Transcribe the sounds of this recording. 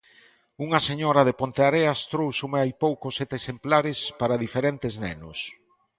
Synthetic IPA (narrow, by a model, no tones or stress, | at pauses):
uŋɐseɲɔɾɐðepont̪eaɾeast̪ɾowsumeajpowkosɛt̪esemplaɾɪspaɾaðifeɾent̪ɪznɛ̰nʊs